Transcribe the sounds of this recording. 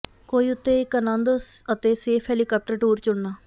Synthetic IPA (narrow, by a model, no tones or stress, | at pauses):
koːiʊt̪ːeːkənãːnd̪oːsət̪eːseːfʰɦɛːlikaːp̚ʈəɾʈuːɾt͡ʃʊɽnaː